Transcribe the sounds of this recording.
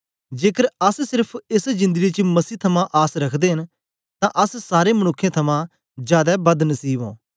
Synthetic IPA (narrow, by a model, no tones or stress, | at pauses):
d͡ʒeːkəɾəssɪɾpʰɪsd͡ʒɪ̃nd̪əɡit͡ʃmɐsiːt̪ʰɐmãʔaːsɾɐkʰd̪eɦɐn | t̪ãʔɐssaːɾemənʊkʰːjãt̪ʰɐmã | d͡ʒjaːd̪abɐd̪nɐsiːbõ̰ː